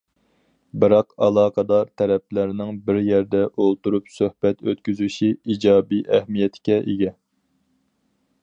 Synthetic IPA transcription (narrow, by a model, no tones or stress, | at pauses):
bɨɾɑqɑlˠɑːqʰɑd̪ɑɾt̪ʰɛɾɛplæɾnɪŋbɪɾjɛɾd̪ɛʔolˠt̪uɾupsøhb̥ɛt̪øt̪̚kʲyzyʃiid͡ʒɑːbiʔɛhmijɛt̪ʰɪ̥kʲɛʔeɡʲɛ